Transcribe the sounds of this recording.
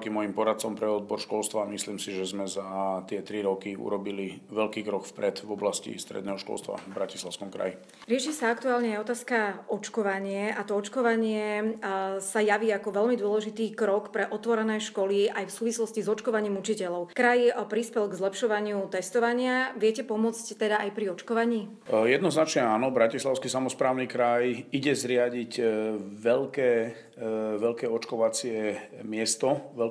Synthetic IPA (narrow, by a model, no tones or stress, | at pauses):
kimɔjimpɔɾat̪̚t͡sɔmpɾɛɔd̪̚bɔɾʃkɔlst̪ʋamisliːmsiʒɛzmɛzat̪ɪɛt̪ɾiɾɔkiṵɾɔbiliʋɛʎkiːkɾɔkfpɾɛd̪vɔblascḭst̪ɾɛ̰d̪nɛːɦɔʃkɔ̰lst̪ʋa̰bɾacislaʊskɔmkɾa̰ji | ɾɪɛʃisaakt̪uaːlɲɛajɔt̪aːskaɔt͡ʃkɔʋaɲɪɛʔat̪ɔɔt͡ʃkɔʋaɲɪɛ | sajaʋiakɔʋɛlmid̪ʊɔlɛʒit̪iːkɾɔkpɾɛʔɔt̪ʋɔɾɛnɛːʃkɔliajfsuːʋislɔscizɔt͡ʃkɔʋaɲiːmut͡ʃicɛlɔʊkɾajpɾispɛlɡzlɛpʃɔʋaɲɪut̪ɛst̪ɔʋaɲɪaʋɪɛcɛpɔmʊɔt͡sct̪ɛd̪aajpɾiɔt͡ʃkɔʋaɲiː | jɛd̪nɔznat͡ʃɲɛaːnɔbɾacislaʊskisamɔspɾaːʊnikɾajiɟɛzɾɪaɟicʋɛlkɛː | ʋɛʎkɛːɔt͡ʃkɔʋat͡sɪɛmɪɛst̪ɔʋɛl